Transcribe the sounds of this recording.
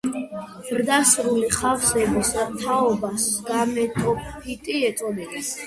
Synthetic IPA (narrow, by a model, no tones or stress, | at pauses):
zɾd̪asɾuliχafsɛbɔsat̪ʰaɔbasɡ̥amɛt̪ʼɔpʰit̪ʼiɛt̪sʼɔd̪ɛbis